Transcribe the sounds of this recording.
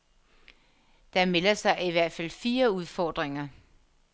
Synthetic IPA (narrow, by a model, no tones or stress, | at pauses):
d̥ɑ̈melɐsɑ̈ɪiʋæɐ̰d̥fæl̰fiːɐuð̞ˠfɒːd̥ʁeŋɐ